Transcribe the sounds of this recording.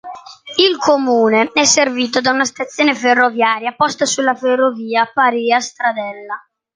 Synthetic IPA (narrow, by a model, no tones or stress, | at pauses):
ilkʰomuːneɛsːerviːt̪od̪aunast̪at̪sːjoːneferːovjaːɾjapɔst̪asulːaferːoviːapaɾiːast̪ɾad̪ɛlːa